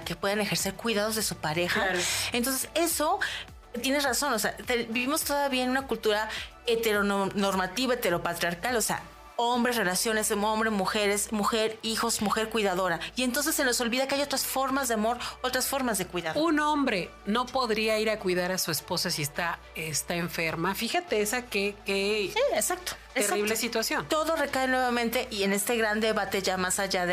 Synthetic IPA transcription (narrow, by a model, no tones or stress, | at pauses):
ke̞pwe̞ðanexe̞ɾse̞ɾkwiðaðo̞zðe̞supaɾe̞xaent̪o̞ns̬ese̞so̞ | t̪jene̞raso̞noseat̪ebiβimost̪oðaβiaenũnakult̪uɾa | et̪e̞ɾonnoɾmat̪iβaet̪eɾo̞pat̪ɾiaɾkalo̞sea̰ | o̞mbɾe̞sre̞lasjo̞ne̞so̞mbɾemuxe̞ɾe̞smuxeɾixo̞zmuxe̞ɾkwiðaðo̞ɾaient̪o̞ns̬e̞sːeno̞so̞lβiðakeajo̞t̪ɾasfo̞ɾmazðe̞amo̞ɾot̪ɾasfo̞ɾmazðekwiðaɾunõ̞mbɾe̞no̞po̞ðɾiaiɾakwiðaɾasuespo̞sasiest̪a | est̪aeɱfeɾmafixat̪eesakekeiesak̚t̪o̥ | eeraiβlesit̪wasjo̞nt̪o̞ðo̞re̞kae̞nwe̞βamẽnt̪e̞ʔiene̞st̪e̞ɣɾand̪e̞βat̪e̞ʝamasaʝað